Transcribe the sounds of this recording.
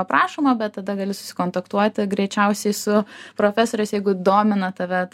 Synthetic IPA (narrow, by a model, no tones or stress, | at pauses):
ɐpɾɑːʃomoːbʲɛt̪̚t̪ːɐd̪ɐɡɐlʲɪsʊ̥sʲɪ̥koːnt̪ɐkt̪uɔt̪ʲɪɡɾʲɛɪt͡ʃʲɛʊsʲɛɪsʊpɾoːfʲɛsoːɾʲɛɪsjɛɪɡʊd̪oːmʲɪnɐt̪ɐʋʲɛ